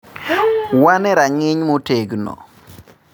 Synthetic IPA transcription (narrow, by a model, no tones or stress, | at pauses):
wanɛɾaŋɪɲmoteɡnɔ̰